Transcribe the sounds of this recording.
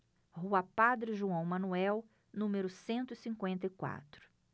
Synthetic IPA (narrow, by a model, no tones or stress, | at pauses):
huɐpad̪ɾɪʒuɐ̃w̃mɐ̃nuɛw | nũmeɾʊsẽnt̪ʊɪsĩkwẽnt̪ɐikwa̰t̪ɾʊ̥